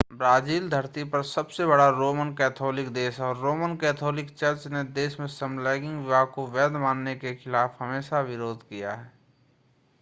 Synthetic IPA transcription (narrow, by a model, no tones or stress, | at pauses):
bɾaːziːld̪ʱəɾt̪ipɐɾsəbsebəɽaɾoːmənkɛːt̪ʰɔːlɪkd̪eːsɔːɾːoːmənkɛːt̪ʰɔːlɪkt͡ʃəɾt͡ʃned̪eːsmẽsəmlɛːɡɪ̃ŋɡʋɪbʱaːkoʋɛːd̪maːnːekexʰɪlaːfɦəmeːʃaʋɪɾoːd̪ʱkija̰ɦɛː